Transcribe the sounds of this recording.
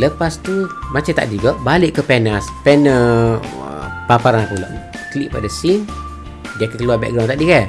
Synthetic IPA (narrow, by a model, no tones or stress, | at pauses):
ləpast̪umat͡ʃat̪a̰ʔdiɡɔʔbaliʔkəpɛnaspɛnə̰ | papaɾanapulɔ̰ʔ | kliʔpadasin | diakəkəluabɛ̰ʔ̚ɡɾawnt̪aʔdiɡɛ